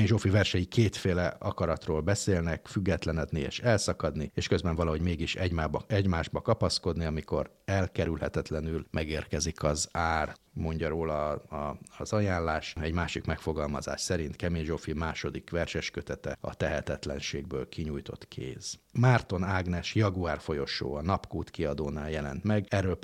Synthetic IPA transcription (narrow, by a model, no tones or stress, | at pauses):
eɲʒofivɛrʃɛjikʰeːt̪feːlɛɒkɒɾɒt̪roːlbɛseːlnɛkfyɡːɛt̪lɛnɛd̪niḛːʃɛlsɒkɒd̪nieːʃkø̞zbɛɱvɒlɒɦo̞ɟmeːɡiʃɛɟmaːbɛɟmaːʒbɒkɒpɒsko̞d̪niɒmiko̞r | ɛlkɛɾylhɛt̪ɛt̪lɛnylmɛɡeːrkɛzikʰɒzaːr | mo̞ɲɟɒɾoːlɒ | zɒjaːnlaːʃɛɟmaːʃikmɛkfo̞ɡɒlmɒza̰ːʃsɛɾint̪kɛmenʒofimaːʃo̞d̪ikʋɛrʃɛʃkø̞t̪ɛt̪ɛɒ̰t̪ɛɦɛt̪ɛt̪lɛnʃeːɡ̚bøːlkʰiɲujt̪o̞̰t̪kʰḛːzmart̪o̞naːɡnɛʃjɒɡuaːrfo̞jo̞ʃo̰ːɒnɒpkuːt̪kiɒd̪oːnaːljɛlɛ̰n̪t̪mɛɡɛɾøːlp